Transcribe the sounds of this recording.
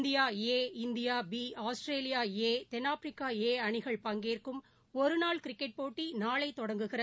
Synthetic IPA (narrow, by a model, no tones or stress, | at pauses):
nd̪ɪjaːeːɪnd̪ɪjaːbiːaːsʈɾeːlɪjaːeːt̪ɛnːaːfɾɪkːaːeːɐɳɪɣɐɭpɐŋɡeːrkɯm | ɔɾɯnaːɭkɪɾɪkːɛʈ̚poːʈːinaːɭɐɪt̪ːɔɽɐŋɡɯɣɪrɐ